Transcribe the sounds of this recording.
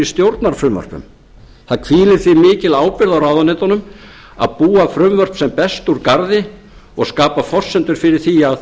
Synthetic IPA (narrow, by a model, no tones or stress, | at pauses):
ɪst̪jowɾt̪naɾ̥fɾʏmvœ̰r̥ɾ̥pʏ̰m | θaðkʰviːlɪɾ̥θvɪmɪːcɪlaːwpɪɾðawɾawðanɪːt̪anʏm | a̰ðpuːafɾʏmvœr̥psɛmpɛst̪uɾkaɾðɪ | ɔɣskaːpafɔr̥sɛnt̪ʏɾ̥fɪɾɪɾ̥θiað